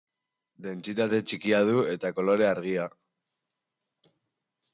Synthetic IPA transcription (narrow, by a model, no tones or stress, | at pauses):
d̪e̞nt͡sit̪at̪e̞t͡ʃikiað̞ue̞t̪ako̞lo̞ɾe̞aɾɣia